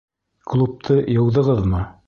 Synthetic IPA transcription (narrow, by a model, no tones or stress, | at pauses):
klˠup̚t̪ʰɤjɤ̆wðɤ̆ʁɤðmɤ